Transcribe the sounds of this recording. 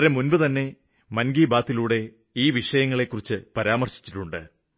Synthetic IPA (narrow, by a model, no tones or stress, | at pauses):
ɾemunbɨt̪ɐnːe̞ | mɐnɡiːbaːt̪ːiluːɽe̞ | iːʋiʂɐjɐŋːɐɭe̞kːurit͡ɕːɨpɐɾaːmɐrɕi̥t͡ɕːi̥ʈːuɳɖɨ